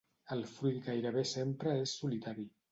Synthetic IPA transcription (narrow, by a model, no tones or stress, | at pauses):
əlˠfɾujt̪ɡajɾəβ̞esempɾəesːulit̪aɾi